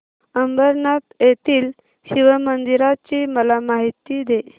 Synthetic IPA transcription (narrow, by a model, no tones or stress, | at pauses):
əmbəɾnat̪jet̪iːl | hĩʋamənd̪iɾat͡ɕiməlamaɦit̪ːid̪e